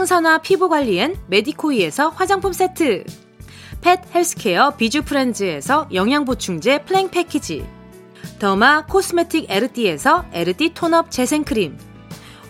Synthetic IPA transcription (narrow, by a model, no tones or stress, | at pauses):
aŋsʰʌnwapʰibuɡwaʎːienme̞dikʰoie̞sʰʌɸwad͡ʑaŋpʰums͈ʰe̞tʰɯ | pʰe̞t̚heɭsʰɯ̥kʰe̞ʌpid͡ʑupʰɯɾe̞nd͡ʑɯe̞sʰʌjʌŋɦjaŋbot͡ɕʰuŋd͡ʑe̞pʰɯɾeŋpʰe̞kʰid͡ʑḭ | tʌmakʰos͈ʰɯme̞tʰiɡe̞ɾɯdʰie̞sʰʌe̞ɾɯditʰonʌp̚t͡ɕe̞sʰe̞ŋkʰɯɾim